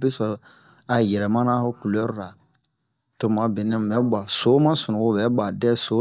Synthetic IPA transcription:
bɛ˦sɔ˨ɾ | a˨jɛ˨ɾɛ˨mã˦na˦ku˨lo˨˦ɾo˦ɾa˨ | to˨ma˨bi˨nɛ̃˦˨mɛ˦ba˨so˦mã˦sɔ˨nɔ̃˨o˦bɛ˦ba˨dɛ˦so˦

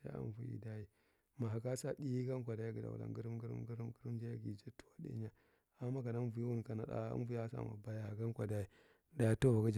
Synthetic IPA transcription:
a̰˦a̰˦nvu˦jḭ˨da˦ji˦ | ma˨ɦa˨ɡa˦sa˨di˦i˦ɡa˦ŋ˦kʷa˨da˨˦i˦ɡi˨da̰˨w̰la̰˨ŋɡi˦ɾm˦ɡɾ̰mɡi˦ɾi˦mɡə˦ɾi˦m˦d͡ʒa˦ja˨ɡi˨d͡ʒa˦tu̥˦wa˦dḭ˦ɲa˨ | a˨mːa˦ka˨na˦n˦vu˨ji˦wu˦n˨ka˨na̰˨da̰˦a̰˦vu˨ja˦sa̰˨ma̰˨ba˦ja˦ha˨ɡa˦n˦kʷa˨da˦i˦ | da˨ja˦to˦˨va˨ɡa˦d͡ʒ

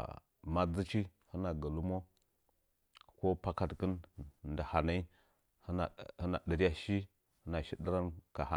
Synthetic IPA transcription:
ma˦d͡zi˦t͡ʃi˦hə˦na˨ɡa˨lu˦mo˦ | ko˦pa˦ka˨tkə˦nnda˨ha˨na˦i˦ | hə˦na̰˨hə˦na̰˨də˨ɾi˦ja˨ʃi˦ | hə˦na˨ʃi˦də˦ɾa˦nka˨ha˦

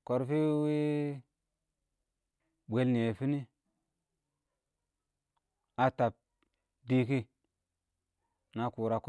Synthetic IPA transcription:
ko˨ɾfi˦wi˦ | bʷe˨˦lni˨e˨fi˦ni˦ | a˨ta˨p̚ | di˦ki˦ | na˨ku˨ɾa˨k

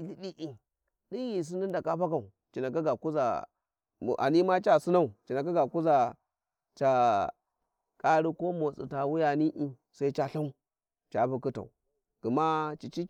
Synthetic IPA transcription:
i˨ɬi˦ɗi˦ʔi˨ŋ | di˦ɣi˨s̬i˦ndi˦n˦da˨ka˦pa˦ka˨u˨ | t͡ʃi˨na˨ka˦ɡa˨ku˦za̰˨ | ʔa̰˨ni˦ma˦t͡ʃa˦su˦na˦u˨t͡ʃi˨na˨k̬a˦ɡa˨ku˦za˨ | t͡ʃa˨ | kʼa˦ɾi˦ko˦mo˨t͡sḭ˨ta˨wu˦ja˨ni˦ʔi˦ | sa˦i˦t͡ʃa˦ɬa˦u˦ | t͡ʃa˨bu˨ku˦ta̰˨u˨ | ɡ̥u˨ma˦t͡ʃi˨t͡ʃi˦

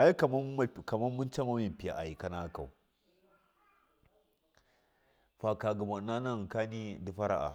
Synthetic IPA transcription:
a˦i˦ka˨m˦ka˨ma˦nmu˦nt͡ʃa˦ma˦mi˨pi˨ja̰˨ʔa˨ji˨ka˦na˦ka˨u˨ | fa˨ka˨ɡa˨ma˨na˦na˦˨ka˦ni˦di˨ɸa˦ɾa̰˦˨ʔa̰˨

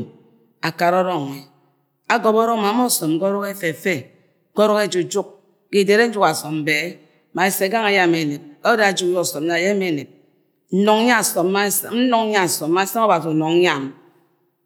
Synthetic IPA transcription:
a˨ka˨ɾɔ˦ɾɔ˦ŋe˨ | a˨ɡɔ˨bɔ˦ɾɔ˦ŋ˦ma˨˦mɔ˦˨sɔ˨m˦ɡɔ˦ɾɔ˦ke˦fe˨fe˦ | ko˦ɾɔ˦ke˦˨d͡ʒu˨d͡ʒu˦k̚ | ki˨de˨ɾe˦n̩˦d͡ʒu˦ka˨sɔ˨mm̩˨be˨e˦ | ma˨e˨se˨a˨ɡa˦ŋa˨ja˦˨me˨ne˨b̚ka˦o˦da˦a˨d͡ʒu˦jɔ˦˨sɔ˨m˦na˨je˦m˦e˦˨ne˨b̚ | n̩˦nɔ˨ŋ˦ɲa˦˨sɔ˨a˦n̩˦nɔ˨ŋ˦ɲa˦˨sɔ˨mː˦a˦sa˦ŋɔ˦ba˨si˨nɔ˨ŋ˦ɲa˦˨m

